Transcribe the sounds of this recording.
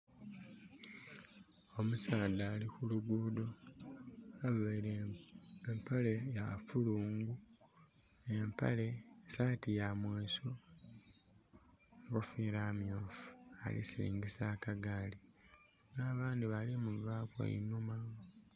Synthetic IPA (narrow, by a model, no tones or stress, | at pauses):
o̞musaːdaːlixuluɡuːdo | aβeɾeempale̞jafuluːŋɡu | empa̰le̞saːtijamweːso | ɡofiɾamjoːfu̥a̰lḭsiɾḭːŋɡisakaɡaːli | ŋaːβaːndiβalimuvakwa̰ḭnuma